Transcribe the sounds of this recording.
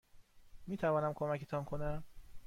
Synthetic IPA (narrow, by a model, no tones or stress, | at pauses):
miːt̪ʰævɒːnæmkʰomæcʰet̪ʰɒnkʰonæm